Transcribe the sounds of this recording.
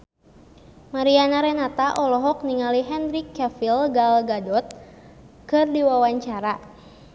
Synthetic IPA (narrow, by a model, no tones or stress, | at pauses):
maɾianaɾɛnat̪aʔɔlɔɦɔk̚niŋaliɦɛnɾikːɛfilɡalɡadɔt̪̚ | kɨrdiwawaɲt͡ʃaɾa